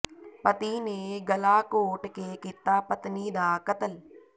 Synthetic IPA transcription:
pət̪iːneːɡəlaːkoːʈkeːkit̪aːpət̪niːd̪aːkət̪əl

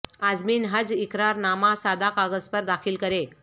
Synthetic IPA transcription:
ad͡zmiːnɦəd͡zikɾaɾnamasad̪akaɡəspəɾd̪akʰiːlkəɾe

